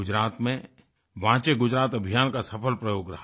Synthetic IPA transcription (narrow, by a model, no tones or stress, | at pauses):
ʊd͡ʒɾaːt̪mẽ | ʋãːt͡ʃeɡʊd͡ʒɾaːt̪ɐbʱijaːnkasɐpʰəlpɾɐjoːɡɾɐɦ